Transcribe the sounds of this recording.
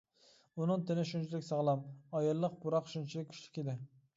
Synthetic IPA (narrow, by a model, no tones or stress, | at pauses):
unɨŋt̪ʰɪnɪʃunt͡ʃʰilɪkʲsɑʁlˠɑmɑjɑlˠːəq̚buɾɑqʃunt͡ʃʰilɪkʲʰy̥ʃlɪ̥kʲed̪ɪ